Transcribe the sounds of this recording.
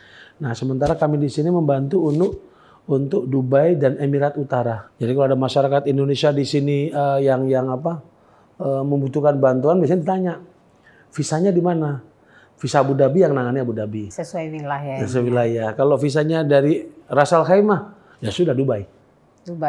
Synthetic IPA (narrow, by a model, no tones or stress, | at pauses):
nahsəmənt̪aɾakamidisiniməmbant̪uːnʊʔ | unt̪ʊk̚dubajdanemiɾat̪ut̪aɾad͡ʒadikaloadamaʃaɾakat̪indonesiadisiniəjaŋjaŋapa | əməmbut̪ukanbant̪uanbias̬aɲadit̪aɲa | fisaɲadimana | fisabudabijaŋnaŋaniabudabisəsuawilajasəsawilajakalofis̬aɲadaɾirasalɦajma | jasudahdubaj | du